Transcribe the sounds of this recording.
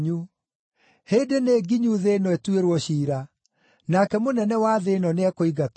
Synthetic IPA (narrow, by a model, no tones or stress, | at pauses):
ɲu | hedeneɡiɲuðenɔetweɾwɔɕiːɾa | nakɛmonɛnɛwaðenɔneakoiɣat